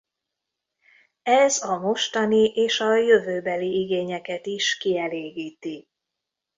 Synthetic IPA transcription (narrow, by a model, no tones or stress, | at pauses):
ɛzɒmo̞ʃt̪ɒniʔeːʃɒjø̞vøːbɛliiɡeːɲɛkɛt̪iʃkiɛleːɡiːt̪i